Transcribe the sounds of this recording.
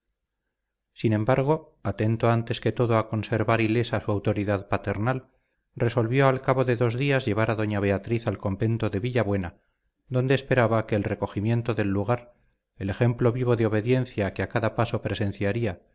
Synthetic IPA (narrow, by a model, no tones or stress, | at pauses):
sinẽ̞mbaɾɣ̞o̞ | at̪e̞nt̪oant̪e̞ske̞t̪o̞ðoako̞nse̞ɾβaɾile̞sasuawt̪o̞ɾiðaðpat̪e̞ɾnal | re̞so̞lβjo̞alkaβo̞ðe̞ðo̞zðiazʝe̞β̞aɾaðo̞ɲaβ̞e̞at̪ɾiθalko̞mbe̞nt̪o̞ðe̞βiʎaβwe̞na | ðo̞nd̪eːspe̞ɾaβake̞ːlre̞ko̞ximje̞nt̪o̞ðe̞lːuɣ̞aɾ | ele̞xe̞mplo̞βiβ̞o̞ðeo̞β̞e̞ðje̞nθjakeakaðapaso̞pɾe̞sẽ̞n̟θjaɾia